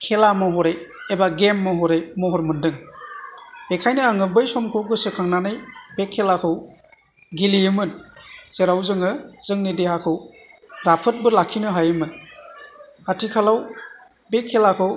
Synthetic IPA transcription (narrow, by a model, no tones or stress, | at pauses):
kʰelamɯɦɔɾeebaɡemːɯɦɔɾejmɔɦɔɾmɯndɯŋ | b̥ekʰajnɯaŋɯbɯjsɔmkʰowɡɯsɯkʰaŋnanɯjbekʰːelakʰɯw | ɡiliɯmɯnseɾawzɯŋɯz̥ɯŋnidehakʰɯwɾapʰɯt̚bɯɾlakʰːinɯɦajɯmɯn | atʰikʰalaw | bekʰːelakʰɯw